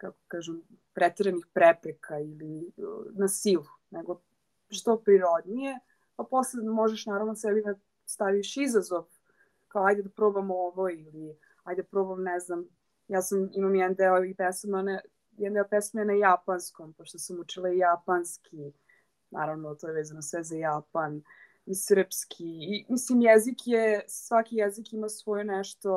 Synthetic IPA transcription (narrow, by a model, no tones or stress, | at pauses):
kakokaːʒem | pɾɛt̪eɾenixpɾepɾekʰailinasilˠuneɡo | ʃt̪opɾiɾo̞d̪nije | paposled̪moʒeʃnaːɾaʋnosɛlid̪a | st̪aʋiʃizazoʋ | kaoajd̪ed̪apɾobamoʋoili | ajd̪ed̪pɾobamnɛznam | jaːsamimamjɛd̪nd̪elipesman | jɛd̪nd̪elpesmenajapanskompoʃt̪osamut͡ʃilˠaijapanskʰi | na̰ːɾaʋnot̪ojeʋeːzanosʋɛzajapan | isr̩pskʰiːmislimjɛzikjesʋakijɛzikimasʋojenɛʃt̪o̞